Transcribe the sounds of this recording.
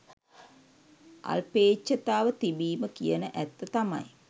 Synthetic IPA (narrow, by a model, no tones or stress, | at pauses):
ʔa̰lpeːt͡ʃːət̪aːʋət̪ibiːməkijənəʔæt̪ːət̪ama̰j